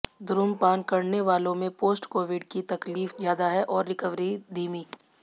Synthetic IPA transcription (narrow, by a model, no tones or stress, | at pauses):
d̪ʊɾʊmpaːnkɐɾneʋaːlõmẽpoːsʈkoːʋɪɖkit̪ɐkliːfzjaːd̪aɦɛʔɔːɾːɪkəʋɾid̪iːmiː